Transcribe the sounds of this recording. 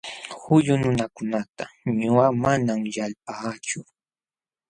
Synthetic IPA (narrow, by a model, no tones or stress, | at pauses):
hʊʎʊnʊnakʊnat̪aɲʊɢamanamjalp̚at͡ʃʊ